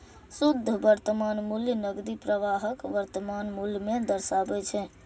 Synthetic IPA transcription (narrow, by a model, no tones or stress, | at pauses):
sud̪ʱːəbəɾt̪əmanmuljənəɡd̪ipɾəʋaɦəkʋəɾt̪əmanmuljəmed̪əɾsabɛt͡ʃʰɛ